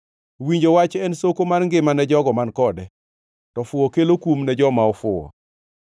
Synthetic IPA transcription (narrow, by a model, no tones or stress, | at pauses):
wiɲd͡ʒowat͡ʃɛnsokomanŋɡɪmanɛd͡ʒɔɡɔmankɔdɛ | tɔfʊɔkelokumnɛd͡ʒɔmaɔfʊɔ̰